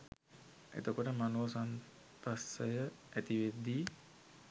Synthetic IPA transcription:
ḛt̪əkoʈəmanoːsan | p̪asəjəæt̪iʋed̪iː

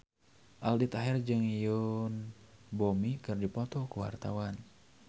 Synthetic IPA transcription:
ʔaldit̪aɦɛrd͡ʒɨŋijunbomikɨrdipɔt̪ɔkuwa̰rt̪awan

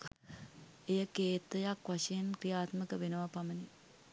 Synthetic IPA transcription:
ejəkeːt̪ɐjakʋɐʃɐjɐnkɾijaːt̪məkəʋenɐʋapɐmɐni

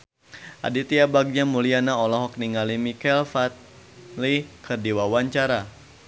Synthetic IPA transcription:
ʔa̰dit̪iabaɡ̚ɲamulianaɔlɔɦɔk̚niŋalimikɛlfat̪̚ | likʰərdiwawaɲt͡ʃaɾa

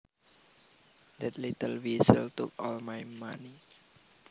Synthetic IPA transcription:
d̪ɛt̪lit̪əlwisə̰lt̪ṵkɔlmajma̰ni

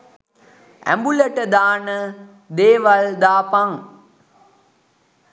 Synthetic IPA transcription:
æ̰mbuləʈəd̪aːnə | d̪eːʋald̪aːpaŋ

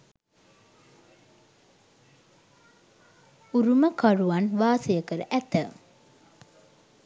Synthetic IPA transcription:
uɾuməkaruʋanʋaːsəjəkəɾə̰ʔæt̪ə

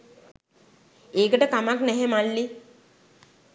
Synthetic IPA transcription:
eːkəʈəkamaknɛɦemalːi

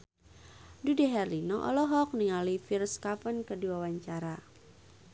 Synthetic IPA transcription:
dudɛɦɛrlinɔʔɔ̰lɔɦɔk̚niŋalifirskapənkəduawaɲt͡ʃaɾa

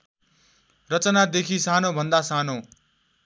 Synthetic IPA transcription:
rʌt͡sʌnad̪ekʰisanobʱʌnd̪asano

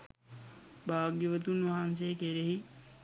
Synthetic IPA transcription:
bʱaːɡjəʋət̪unʋɐɦans̬eːkeɾeɦi

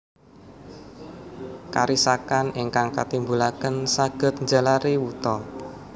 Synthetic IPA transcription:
ka̰ɾisakanɪŋkaŋkat̪imbulakənsaɡ̥ə̤t̪̚ɲd͡ʒa̤laɾiwut̪ɔ

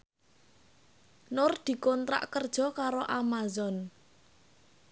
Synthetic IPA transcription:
nʊrd̪̥i̤kɔnt̪ɾa̰ʔkərd̥ʒ̥ɔ̤kaɾoʔamazɔn

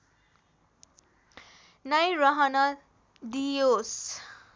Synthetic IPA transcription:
nʌjɾʌɦʌnʌ | d̪ijos

